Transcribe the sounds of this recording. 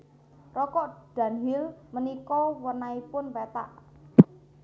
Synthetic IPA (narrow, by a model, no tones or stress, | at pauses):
rɔkɔʔd̪̥ä̤nɦilmənikɔwənaipʊnwet̪a̰ʔ